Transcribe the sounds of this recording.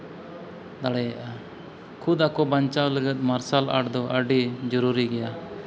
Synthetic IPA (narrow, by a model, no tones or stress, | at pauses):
d̪aɽɛjaʔa | kʰud̪akɔbaɲt͡ʃawləɡət̪̚maɾsala̰ɽd̪ɔʔəɖid͡ʒɔɾuɾiɡɛja